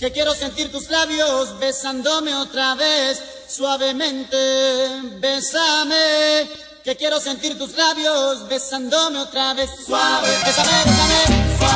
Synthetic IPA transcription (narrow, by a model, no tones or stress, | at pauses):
ke̞kje̞ɾo̞se̞nt̪iɾt̪uzlaβjo̞sβe̞sand̪o̞me̞ot̪ɾaβeθː | waβe̞mẽ̞nt̪e | βesame | ke̞kje̞ɾo̞se̞nt̪iɾt̪uzlaβjozβe̞sand̪o̞me̞ot̪ɾaβe̞θswaebesameesame